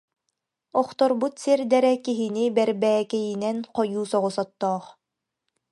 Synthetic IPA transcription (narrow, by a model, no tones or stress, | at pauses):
ɔχt̪ɔɾbut̪siɾd̪ɛɾɛkiɦinibɛɾbɛːkɛjinɛnqɔjuːsɔʁusɔt̪ːɔːχ